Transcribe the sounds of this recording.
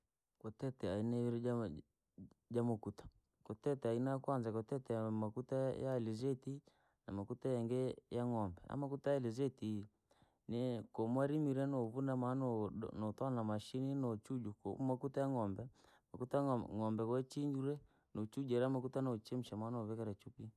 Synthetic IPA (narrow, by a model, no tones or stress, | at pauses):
kɔtɛtɛainɛβiɾɛ | d͡ʒamokutḁ | kɔtɛtɛainaakwanzakɔtɛtɛamakutajalizeti | namakutajɛŋɡɛjaŋɔmbɛa̰mak̬utajaɛlezeti | nekomwaɾimiɾɛnoβunamanonɔtwanamaʃininɔt͡ʃud͡ʒuko̰makutajaŋɔmbɛ | makutaŋɔmbɛkɔɛt͡ʃiɲd͡ʒuɾɛ | not͡ʃud͡ʒɛɾamakutanot͡ʃem̩ʃamanoβɛkaɾɛt͡ʃupi